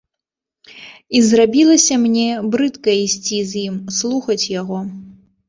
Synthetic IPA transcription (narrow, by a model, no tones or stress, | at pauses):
izrabʲilˠɐsʲɐmnʲɛbɾɨt̪kɐisʲt͡sʲizʲjimslˠuxɐt͡sʲjaɣɔ